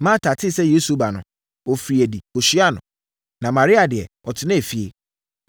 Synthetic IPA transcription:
mã˦tʰa˨tʰɪ˦sɛ˦je˦su˨˦ba˨nʊ̰̃˨ | ɔ˨fɾi˨æ˨di˨o˨ɕi˦a˦nʊ̃˨ | nã˨mã˨ɾi˦a˨dɪ˨ɛ̰˨ | ɔ˨tʰɪ˨nã˦e˨fi˦ḛ˦

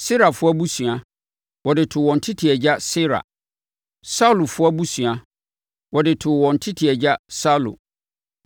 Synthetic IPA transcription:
sɪ˦ɾa˨fʊ˦a˦bu˦sũ˨a˨ | wɔ˨dɪ˨tʰʊ˨wɔ̃˨n̩˨tʰɪ˦tʰi˨ɛ˨d͡ʑa˦sɪ˦ɾa̰˨ | sa˦˨lʊ˨fʊ˦a˦bu˦sũ˨a˨ | wɔ˨dɪ˨tʰʊ˨wɔ̃˨n̩˨tʰɪ˦tʰi˨ɛ˨d͡ʑa˦sa˦lʊ̰˨

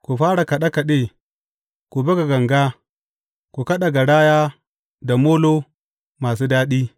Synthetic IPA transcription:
ku˨ɸaː˦ɽa˨kɐ˨ɗa˦kɐ˨ɗe˦ | ku˨bɐ˦ɡa˨ɡɐ˨ŋɡaː˦ | ku˨kɐ˦ɗa˨ɡa˨ɽaː˦jaː˦ | da˨moː˦loː˦ | maː˨suː˦daː˦ɗiː˦

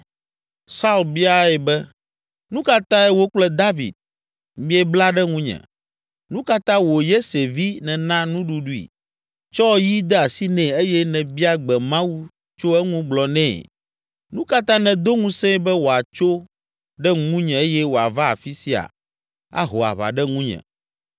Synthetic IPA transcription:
sa˦u˦˨lbi˦a˦ɛ˨bɛ˦ | nũ˦ka˦t̪ã˦ɛ˦wo˦k͡plɛ˦d̪a˦vḭ˨d̪̚ | mĩ˦ɛ˦bla˦ɖɛ˦ŋũ˦ɲɛ̰̃˨ | nũ˦ka˦t̪ã˦wo˨je˦se˨vi˦nɛ̃˨nã˦nũ˦ɖu˦ɖu˦ḭ˨ | t͡ʃɔ˦ji˦d̪ɛ˦a˨si˦nɛ̃˨e˦jɛ˦nɛ̃˨bi˦a˦ɡ͡bɛ˨mã˦wu˦ | t͡ʃo˦ɛ˦ŋũ˦ɡ͡blɔ˨nɛ̃ː˦˨ | nũ˦ka˦t̪ã˦nɛ̃˨d̪o˦ŋũ˦sɛ̃˦bɛ˦wo˨a˨t͡ʃo˦ | ɖɛ˦ŋũ˦ɲɛ̃˨e˦jɛ˦wo˨a̰˨va˦a̰˨fi˦si˦a̰˨ | a̰˦ɦo˨a̰˨βa̰˨ɖɛ˦ŋũ˦ɲɛ̰̃˨

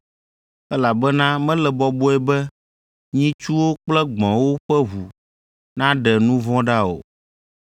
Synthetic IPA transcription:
ɛ˦la˨bɛ˦nã˦mɛ̃˦lɛ˨bɔ˨bo˦ɛ˨bɛ˦ | ɲĩ˦t͡ʃu˦wo˦k͡plɛ˦ɡ͡bɔ̃˨wo˦ɸɛ˦ɦu˨ | nã˦ɖɛ˨nũ˦vɔ̃˦ɖa˦o̰˨

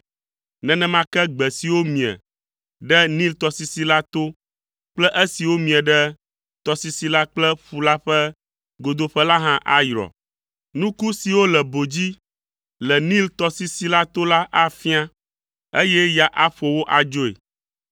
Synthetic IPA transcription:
nɛ̃˨nɛ̃˦mã˦kɛ˦ɡ͡bɛ˨si˨wo˦mĩ˨ɛ̰˨ | ɖɛ˦nĩ˦lt̪ɔ˨si˦si˦la˦t̪o˦ | k͡plɛ˦ʔe˦si˨wo˦mĩ˨ɛ˨ɖɛ˦ | t̪ɔ˨si˦si˨la˦k͡plɛ˦ɸu˨la˦ɸɛ˦ | ɡo˨d̪o˦ɸɛ˦la˦ɦã˦ʔa˦jɾɔ̰˨ | nũ˦ku˦si˨wo˦lɛ˨bo˨d͡ʑi˦ | lɛ˨nĩ˦lt̪ɔ˦si˦si˦la˦t̪o˦la˦ʔa˦fi˦a˦ | e˦jɛ˦ja˨ʔa˦ɸo˨wo˦ʔa˨d͡ʒo˦ḛ˨

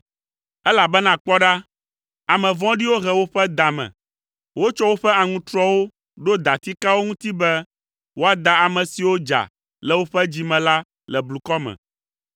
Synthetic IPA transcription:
ɛ˦la˨bɛ˦nã˨k͡pɔ˦ɖa˦ | a˨mɛ̃˨vɔ̃˦ɖi˦wo˦ɦɛ˨wo˦ɸɛ˦d̪a˨mɛ̰̃˨ | wo˦t͡ʃɔ˦wo˦ɸɛ˦a˨ŋũ˦t̪ɾɔ˦wo˦ | ɖo˦d̪a˨t̪i˦ka˦wo˦ŋũ˦t̪i˦bɛ˦ | wo˦a˨d̪a˨a˨mɛ̃˨si˨wo˦d͡ʒa̰˨ | lɛ˨wo˦ɸɛ˦d͡ʑi˨mɛ̃˨la˦ | lɛ˨blu˨kɔ˦mɛ̰̃˨

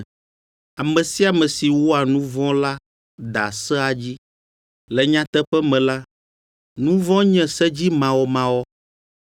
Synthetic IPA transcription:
a˨mɛ̃˨si˦a˨mɛ̃˨si˨wo˦a˨nũ˦vɔ̃˦la˦ | d̪a̰˨sɛ˦a˨d͡ʑi˦ | lɛ˨ɲã˦t̪ɛ˦ɸɛ˦mɛ̃˨la˦ | nũ˦vɔ̃˦ɲɛ̃˦sɛ˦d͡ʑi˦mã˨wɔ˨mã˨˦wɔ˦

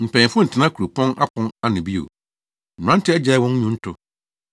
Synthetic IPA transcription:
m̩˨pʰɛ̃˨fʊ˦n̩˨tʰɪ˨nã˦kʰu˨ɾu˨pʰɔ̃˦na˦pʰɔ̃˦na˦nʊ̃˨bi˦o̰˨ | m̩˨m̩̃˨ã˦n̩˦tɪ˦ɛ˦d͡ʑɛ˨˦wɔ̃˦n̩˦ɲũ˦n̩˦tʰʊ˨

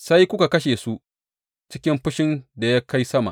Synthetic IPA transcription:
sa˦jkʷʊ˦ka˨kɐ˦ʃeː˨su˦ʔ | t͡ʃɪ˦kʲɪ˦mɸʊ˦ʃɪ˦nda˨jaː˦ka˦jsɐ˦ma̰˨ʔ

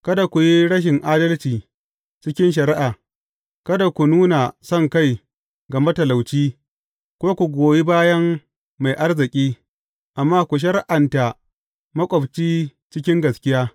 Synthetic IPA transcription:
kɐ˦da˨kʷu˨ji˦ɽɐ˦ʃ̬ɪ˨ŋʔaː˦dɐ˦lt͡ʃiː˨ | t͡ʃɪ˦kʲɪ˦nʃ̬ɐ˨ɾɪ˦ʔaː˨ | kɐ˦da˨kʷu˨nuː˦na˨sɔ˦˨ŋka˦˨j | ɡɐ˨ma˦tɐ˨la˨wt͡ʃiː˦ | kʷoː˦kʷu˨ɡʷoː˨ji˦baː˦jɐ˦mː | a˨jʔa˦rzɪ˨kʲʼiː˦ | ʔa˨mːaː˦kʷu˨ʃ̬ɐ˦rʔa˨nta˨ | mɐ˦kʷʼɔ˨bt͡ʃiː˦t͡ʃɪ˦kʲɪ˦ŋɡɐ˨skʲɪ˦jaː˦

